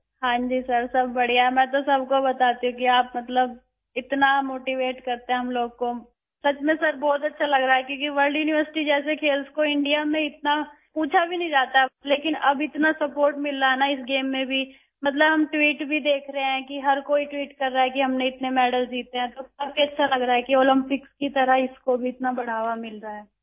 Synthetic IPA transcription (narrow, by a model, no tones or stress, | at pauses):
hãːɲd͡ʒisɐɾsɐbːɐɽijaɦɛmɛ̃ːt̪̬osɐbkobɐt̪aːt̪iɦũkiaːp̚mɐt̪ləb̚ | ɪt̪namoːʈiʋeːʈkɐɾt̪ẽɦɛ̃ɦɐmloːɡ̚ko | sɐt͡ʃmẽsɐɾbɔːt̪ɐtːʃʰalɐɡɾaaɦɛkjõːkiʋɐɾlɖjuːnɪʋəɾsɪ̥ʈid͡ʒɛːs̬ekʰeːlskoɪ̃ɳɖijamẽɪt̪na | puːt͡ʃʰabʱinɐ̃ɦĩd͡ʒaːt̪aɛleːkɪnɐbɪt̪nasɐpoːɾʈmɪlːaɦɛnaɪs̬ɡeːmːẽbʱi | mɐt̪̬ləbɦɐmʈwiːʈbʱid̪eːkʰɾɐɦeɦɛ̃kiɦɐɾkoːiʈwiːʈkɐɾːaːɦɛkiɦɐmneɪt̪nemɛːɖəlsd͡ʒiːt̪eɦɛ̃t̪oɐbbiɐtːʃʰalɐɡɾaːɦɛkioːlɪ̃mpɪkskit̪ɐɾəɦɪskobʱiɪt̪nabɐɽ̤aːʋamɪlɾaɦɛː